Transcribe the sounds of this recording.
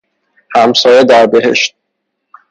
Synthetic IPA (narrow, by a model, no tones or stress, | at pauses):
hæmsɒːjed̪æɾbe̞ɦe̞̰ʃt̪̚